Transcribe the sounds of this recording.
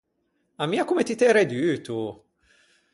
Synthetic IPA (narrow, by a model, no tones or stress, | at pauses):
amːiːakumet̪it̪ɛɾed̪yːt̪u